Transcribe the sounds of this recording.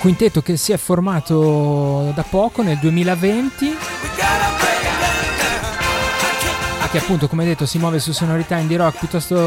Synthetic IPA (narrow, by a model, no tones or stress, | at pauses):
kwint̪et̪ːok̟esiɛfːormaːt̪o | d̪apɔːkoneld̪uemiːlavent̪i | akːeapːunt̪okomead̪et̪ːosimwɔːvesusonoɾit̪aind̪iɾɔkpjut̪ːɔst̪o